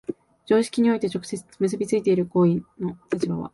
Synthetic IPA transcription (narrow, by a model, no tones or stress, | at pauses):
d͡ʑo̞ːɕi̥kʲiɲ̟io̞it̪e̞t͡ɕokɯ̟̥semɯ̟s̬ɨbʲit͡sɨit̪e̞iɾɯ̟ko̞ːĩnno̞t̪at͡ɕibaβ̞a̰